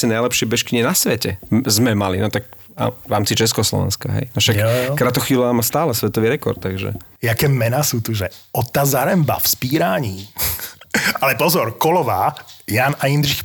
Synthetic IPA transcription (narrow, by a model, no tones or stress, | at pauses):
sɛnajlɛpʃɪɛbɛʃkiɲɛnasʋɛcɛzmɛmalinɔt̪ak̚ | a̰ʋɾaːmt͡sit͡ʃɛskɔslɔ̰ʋɛ̰nskaɦɛ̰jafʃakkɾat̪ɔxʋiːlaːmast̪aːlɛsʋɛt̪ɔʋiːɾɛkɔ̰ɾt̪ːaɡʒɛ̰ | jakɛːmɛnasuːt̪uʒɛɔt̪ːazaɾɛmba̰fspiːɾaːɲiː | alɛpɔzɔɾkɔlɔʋaːjaːnaind̪ɾix